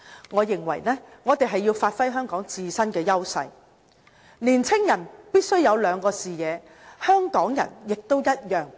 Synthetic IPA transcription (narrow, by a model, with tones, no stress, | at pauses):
ŋɔː˨˧jɪ˨˩ŋwɐ̰˨˩jnɛː˥ŋɔː˨˧t̪e˨jɦɐ˨jːiː˧wfaː˧t̚fɐ˥jɦœː˥ŋkɔː˨˥ŋt͡siː˨˧sɐ˥nkɛː˧jɐ˥wsɐ̰˧j | niː˨˩nt͡sʰɪ˥ŋjɐ˨˩npiː˥t̚sɵ˥ɥjɐ˨˧wlœː˨˧ŋkɔː˧siː˨jɛː˨˧ | hœː˥ŋkɔː˨˥ŋjɐ̰˨˩njɪ˨k̚t̪o˥wjɐ˥t̚jœː˨˩ŋ